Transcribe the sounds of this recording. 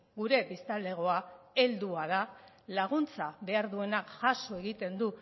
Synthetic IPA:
ɡuɾe̞pist̪ald̪e̞ɣ̞o̞ae̞ld̪uað̞a | laɣ̞unt͡saβe̞aɾðue̞nakʝaso̞e̞ɣit̪e̞nd̪u

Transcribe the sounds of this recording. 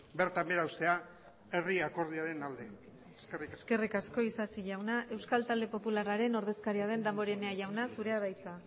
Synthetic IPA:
beɾt̪ambeɾawst̪e̞a | eriako̞ɾð̞iaɾe̞nald̪e̞ | eskerikaske̞rikasko̞isasiʝawnaʔe̞wskalt̪ald̪e̞po̞pularaɾe̞no̞ɾð̞e̞skaɾiað̞e̞nd̪ambo̞ɾene̞aʝawnasuɾe̞aβ̞ajt͡sa

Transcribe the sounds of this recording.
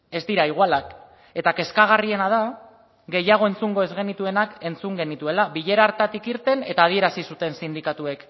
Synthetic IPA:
e̞zd̪iɾaiɣ̞alak | e̞t̪ake̞skaɣ̞arie̞nað̞a | ɡe̞jaɣ̞o̞e̞nt͡suŋɡo̞e̞zɣe̞nit̪ue̞nake̞nt͡suŋɡe̞nit̪ue̞laβiʎe̞ɾaɾt̪at̪ikiɾt̪e̞ne̞t̪aːðie̞ɾasisut̪e̞nsind̪ikat̪ue̞k

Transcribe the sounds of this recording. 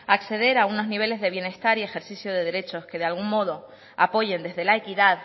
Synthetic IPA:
akθe̞ðe̞ɾauno̞zniβ̞e̞le̞zðe̞β̞je̞ne̞st̪aɾie̞xe̞ɾθiθjoðe̞ðe̞ɾe̞t͡ʃo̞ske̞ð̞ealɣuŋmmo̞ðo̞ | apo̞ʝe̞nd̪e̞zðe̞lae̞kiðað

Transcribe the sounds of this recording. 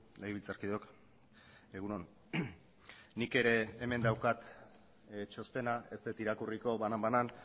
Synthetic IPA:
lejβilt͡saɾkiðeok | eɣunon | nike̞ɾe̞ːme̞nd̪awkat̪ | t͡ʃo̞st̪e̞nae̞st̪et̪iɾakuriko̞βanambanan

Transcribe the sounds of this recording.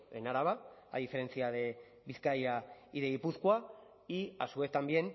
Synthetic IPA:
ḛnaɾaβa | a̰ðife̞ɾe̞nθiaðe̞ | βiθkajaiðeɣipuskua | ia̰sue̞θt̪ambje̞n

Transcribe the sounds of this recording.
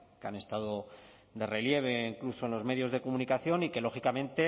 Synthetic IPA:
keane̞st̪aðo̞ | d̪e̞re̞lje̞β̞e̞iŋkluso̞enlo̞zme̞ðjo̞zðe̞komunikaθjo̞nike̞lo̞xikamẽ̞nt̪e̞

